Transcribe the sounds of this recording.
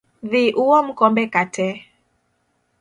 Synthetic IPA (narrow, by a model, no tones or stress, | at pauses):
ðiʔuwɔm̩kɔmbɛkatɛ